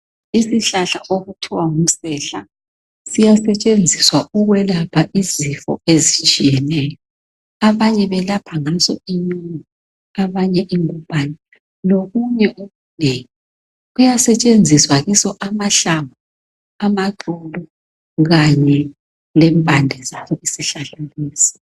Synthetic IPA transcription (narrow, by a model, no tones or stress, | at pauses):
isiɬaɬaʔoɣutʰiwaŋum̩sɛɬa | sijasɛt͡ʃʼend͡zʱiswauɣwɛlapʰaʔizifɔ̰ezit͡ʃʼijɛnɛːjɔ | aβaɲɛβɛlapʰaŋasɔ̰iɲini | aβaɲɛʔiŋumpʼani | noɣuɲɛʔuɣuneŋi | ɣujasɛt͡ʃʼend͡zʱiswaɣisɔʔamaɬamu | amaǃulɔ | ɣaɲɛ | lɛmbʼʱandʱɛzaβɔisiɬaɬaliːsi̥